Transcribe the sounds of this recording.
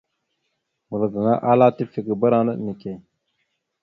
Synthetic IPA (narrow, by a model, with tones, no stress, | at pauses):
mu˨lə˨ɡə˨ŋa˦ʔa˦la˦ti˦fi˨ɡə˨bə˦ɾa˦nə˦˨ni˨ke˨